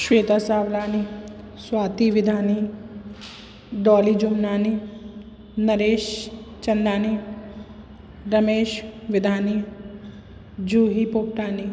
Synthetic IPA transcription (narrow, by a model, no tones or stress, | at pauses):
ʃweːt̪aːsaːʋlaːni | swaːt̪iʋɪd̪ʱaːni | ɖɔːlid͡ʒʊmnaːni | nɐɾeːʃt͡ʃɐnɖ̪aːni | ɾɐmeːʃʋɪd̪ʱaːni | d͡ʒuːɦipoːp̚ʈaːni